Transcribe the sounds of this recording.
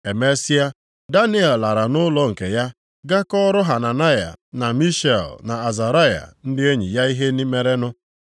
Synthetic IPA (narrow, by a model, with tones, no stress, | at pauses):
e˨me˦si˦a˦ | da˦ni˦e˨lla˨ɾa˨nʊ˦lɔ˦ŋ̩˨ke˨ja˦ | ɡa˦kɔ˦ɾʊ˦ɦa˨na˨na˦ja̰˨na˨mi˦ʃe˨lna˨a˨za˨ɾa˦˨ja̰˨n̩˦dɪ˦e˦ɲḭ˨ja˦i˦ɦe˦ni˦me˦ɾe˦nʊ˦